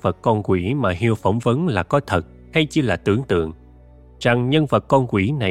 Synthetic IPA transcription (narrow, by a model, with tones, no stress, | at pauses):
və˨˩t̚kɔ˧nkwi˧˩maː˨˩ɦi˧əwfə˧˩wŋ͡mvə˨˦nlaː˨˩kɔ˨˦t̪ʰə˨˩t̚ | ha˧jt͡ɕɨ˧laː˨˩t̪ɨ˧˩əŋt̪ɨ̰˧˨əŋ | za˨˩ŋɲə˧nvə˨˩t̚kɔ˧nkwi˧˩na˨˩